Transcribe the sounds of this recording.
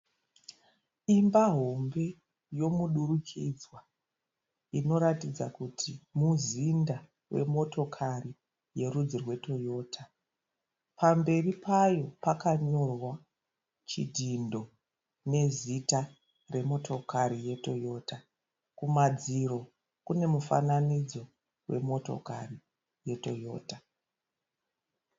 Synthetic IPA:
imbaɦo̞mbe̞ | jo̞muɗurukʰid͡zwa | ino̞ɾatid͡zakutʰimuzinda | wʔe̞̰mo̞to̞kʰari | je̞rud͡zirwe̞to̞jo̞ːtʰa | pambe̞ripʰajo̞pakaɲo̞rwa | t͡ʃidʱindo̞ | ne̞zita | re̞mo̞tʰo̞kʰarije̞to̞jo̞ːta | kumad͡ziro̞ | kune̞mufa̰nanid͡zo̞ | we̞̰mo̞to̞̰kari | je̞to̞jo̞̰ːta

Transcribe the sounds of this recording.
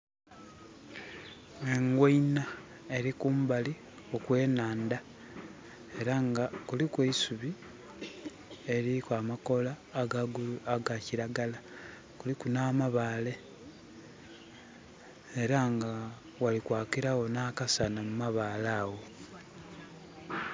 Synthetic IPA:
eŋɡweina | e̞ɾikuːmbali | okwe̞ːnaːnda | e̞ɾaŋɡakulikweisuβi | e̞ɾikwamako̞laːɡaɡuaɡaciɾaɡala | kulikunaːmaβaːle̞ | eɾaŋɡa | walikwaːkiɾawo̞nakasanamumaβaːlaːɣo̞

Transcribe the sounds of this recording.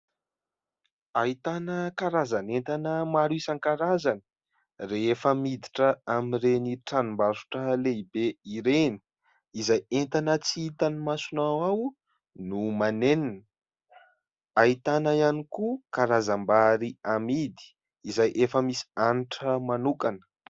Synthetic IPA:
ait̪anəkaɾazanent̪anəmaɾuisankaɾazanə̥ | reefəmid̪iʈ͡ʂəamireniʈ͡ʂanimbazu̥ʈ͡ʂəleibeiɾeni̥ | izajent̪anət͡siit̪animasunawaw | numaneninə | ait̪anaianikukaɾazambaɾiamid̪i̥ | izajʔefəmisi̥aniʈ͡ʂəmanukanə̥

